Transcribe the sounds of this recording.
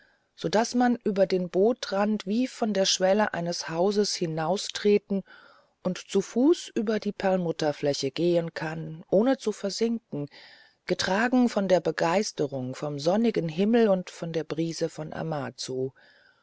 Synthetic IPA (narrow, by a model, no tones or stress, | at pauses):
z̥odasmanʔyːbɐdeːnboːtʁantv̥iːfɔndeːɐʃv̥ɛləʔa̰ɪnəshaʊzəshɪnaʊstʁ̥eːtn̩ | ʔʊntt͡sufuːsʔyːbɐdiːpʰɛɐlnmʊtɐflɛçəɡeːənkʰanʔoːnət͡sufɛɐzɪŋkŋ̩ | ɡ̥ətʁ̥aːɡŋ̩fɔndeːɐbəɡaɪstəʁʊŋfɔmzɔnɪɡən̩ɦɪml̩ʊntfɔndeːɐbʁiːzəfɔnʔa̰maːt͡suː